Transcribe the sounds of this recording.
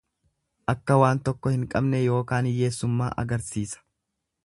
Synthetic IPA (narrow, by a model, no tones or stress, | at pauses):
ʔɐkːɐwaːnt̪ɔkːɔhɪŋkʼɐbnɛjo̞ːkaːnje̞ːsːʊmːa̰ːʔɐ̰ɡɐɾsiːsɐ̥